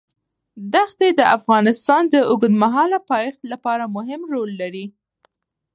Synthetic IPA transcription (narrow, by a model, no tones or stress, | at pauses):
d̪axt̪ed̪əʔafɣɑnɪst̪ɑnd̪əʔʊɡd̪maɦɑlapɑjɪxt̪lapɑɾamʊɦɪmɾolːaɾi